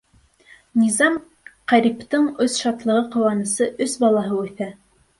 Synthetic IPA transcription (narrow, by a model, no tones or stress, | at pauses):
nizɑm | qæɾipt̪ɤɴɵsʃɑt̪lˠɤ̆ʁɤqŏwɑnɤ̆sɤʔɵsbɑlˠɑɦɤʉθæ